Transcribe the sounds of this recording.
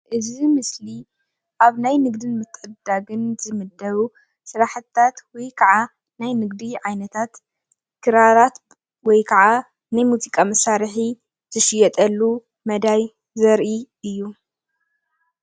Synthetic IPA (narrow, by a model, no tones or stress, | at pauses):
ʔɨzimɨsli | ʔaβnajnɨɡ̚d̪ɨnmɨt̪ʰʼːʔɨd̪aɡɨnzɨmɨd̪ɐβu | sɨɾaħɨt̪ʰːat̪wɔjkʰɐʕa | najnɨɡd̪iʕajnɐt̪ʰat̪ | kʰɨɾaɾat̪ | wɔjkʰɐʕa | najmuzikʼamɐsaɾħi | zɨʃɪjɛt̪ʼɐlːu | mɐd̪aj | zɐɾʔi | ɨjːu